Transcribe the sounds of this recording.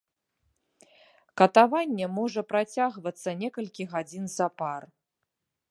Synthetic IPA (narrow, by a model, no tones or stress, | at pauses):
kɐt̪avanʲːɛmɔʐɐpɾat͡sʲaɣvɐt̪sːɐnʲɛkɐlʲkʲiɣad͡zʲinzɐpar